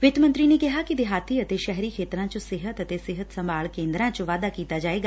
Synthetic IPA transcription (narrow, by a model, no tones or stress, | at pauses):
ʋɪt̪mə̃nt̪ɾinekɪɦakid̪ɪɦaːt̪iɐt̪eʃɛɦɾikʰeːt̪ɾãt͡ʃosɪɦət̪ɐt̪esɪɦət̪sɐ̃mbaːɭkẽːnd̪ɾãt͡ʃəʋaːd̪akiːt̪ad͡ʒaːeːɡaː